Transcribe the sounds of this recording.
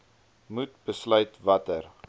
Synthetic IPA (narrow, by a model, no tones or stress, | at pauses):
mut̚b̥əslœɥtvɐtər